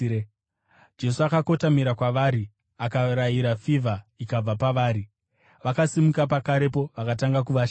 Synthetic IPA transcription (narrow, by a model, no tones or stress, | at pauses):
d͡ʒe̞suakako̞tamiɾakwaʋaɾi | akaɾajiɾafivʱaikab͡vapaʋaːɾi | ʋakasimukapakaɾe̞po̞ʋakataŋɡak̬uʋaʃ